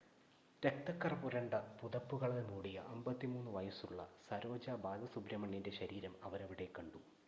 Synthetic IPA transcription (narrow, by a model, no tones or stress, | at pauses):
ɾɐk̚t̪ɐkːɐrpuɾɐɳɖɐpuðɐpːuɣɐɭelmuːɽijɐ̰ʔɐmbɐt̪ːimuːnːuʋɐjɐsuɭːɐ̰sɐɾo̞ːd͡ʑɐbaːd̪ɐsubɾɐmɐɳːinde̞ɕɐɾiːɾɐmɐʋɐɾɐʋiɽe̞kːɐɳɖu